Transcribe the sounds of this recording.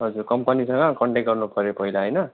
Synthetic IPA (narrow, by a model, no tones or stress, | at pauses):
ɦʌd͡zurkʌmpʌnisʌŋɡʌ̃kʌɳʈeɡʌrnupʌɾjopʌɦilaɦʌjnʌ